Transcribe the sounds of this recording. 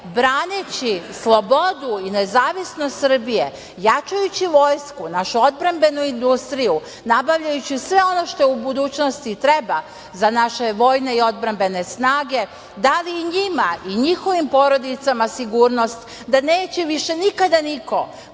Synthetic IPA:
bɾaːnet͡ɕislˠo̞bo̞d̪uinezaːʋisnost̪sr̩bije | jat͡ʃajut͡ɕiʋo̞ːjskunaʃuo̞d̪bɾambe̞nuind̪ust̪ɾiju | nabaʋʎajut͡ɕisʋe̞o̞no̞ʃt̪o̞jeubud̪uːt͡ɕnost̪it̪ɾe̞ba | zanaʃe̞ʋo̞ːjne̞io̞d̪̚bɾambe̞ne̞snaːɡe̞ | d̪aliːɲimaiɲixo̞ʋimpo̞ɾo̞d̪it̪samasiɡuːɾno̞st̪ | d̪ane̞ːt͡ɕɛʋiʃe̞nikad̪aniko̰

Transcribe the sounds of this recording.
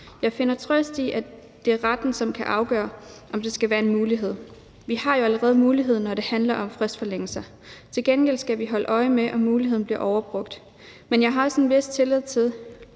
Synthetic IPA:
jɑ̈ɪfe̝nɐt͡sʰʁœsd̥iʔæ | d̥e̝æɐʁad̥n̩sɒ̽mkʰæʔɑ̈ʊɡ̥ɶːɐʔɒ̽md̥e̝sɡ̥æʋæːɐe̝nmuːliɦe̝ð̞̰ˠ | ʋihɑ̈jo̝æləʁɛːð̞̩ˠmuːliɦe̝ð̞ˠnɒɾ̥e̝hænlɐʔɒ̽mfʁɛsd̥fɒ̽leŋ̰əl̩sɐ | t͡sʰe̝lɡ̥enɡ̥el̰sɡ̥æʋiɦɒ̽ləʔɒ̽ɪmeʔɒ̽muːliɦeð̰ˠn̩b̥liɐʔɒʊɐb̥ʁɔ̽ɡ̥̚d̥ | menjɑ̈ɪɦɑ̈sɒn̩ʋe̝st͡sʰe̝leð̞̰ˠt͡sʰe̝ðˠ

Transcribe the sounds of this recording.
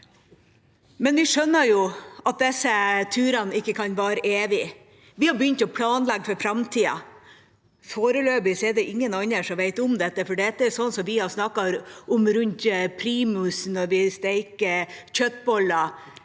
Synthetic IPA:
mɛnʋɪʂœnːəɾjʊɑt̪̚d̪ɛsːət̪ʰʉːɾɑnɪkːəkʰɑnʋæːɾəʔeːʋɪ | ʋɪhɑɾbəjʏnt̪ɔpʰlɑːnlɛɡːfɔɾfɾɑmt̪ʰiːɑ̰ | foːɾəløːbɪsɛɖɛʔɪŋːənɑɲːəʂɔmʋeɪt̪ʊmd̪ɛt̪ːəfɔɖɛɛt̪ːəɛɾsɔnsɔmʋɪhɑɾsnɑkːɑɾʔʊmɾʉnt̪pʰɾiːmʉsnɔɾʋɪst̪eɪkəc͡çœt̪̚bɔlɑ

